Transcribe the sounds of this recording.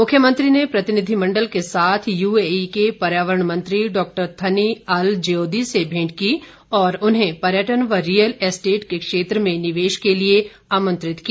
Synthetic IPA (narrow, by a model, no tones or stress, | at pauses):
mʊkʰjəmə̃nt̪ɾinepɾɐt̪ɪnɪd̪ʱimɐ̃ɳɖəlkesaːt̪ʰjuːeikepɐɾjaːʋəɾəɳmə̃nt̪ɾiɖɔːk̚ʈəɾt̪ʰɐniɐld͡ʒeoːd̪isebʱẽːɳʈki | ɔːɾʊnɦẽpɐɾjəʈənʋəɾijəlesʈeːʈkekʃeːt̪ɾəmẽnɪʋeːʃkelie | aːmə̃nt̪ɾɪt̪ki